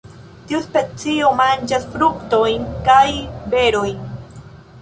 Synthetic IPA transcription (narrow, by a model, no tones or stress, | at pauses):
t̪iuspet͡siomand͡ʒasfɾukt̪ojnkajbeɾojn